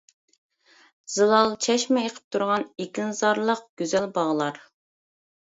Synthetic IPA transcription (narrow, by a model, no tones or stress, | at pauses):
z̥ɨlˠɑlˠt͡ʃʰɛʃmɛeqʰə̥p̚t̪ʰuɾʁɑnekʲinɨzɑɾlˠəq̚ɡ̥ʲøzɛlbɑʁlˠɑɾ